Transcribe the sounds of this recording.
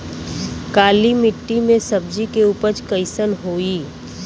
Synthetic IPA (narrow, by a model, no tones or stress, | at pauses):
kaːlimɪʈːimẽsɐb̚d͡ʒikeuːpəɾt͡ʃkəɪsənɦoːiː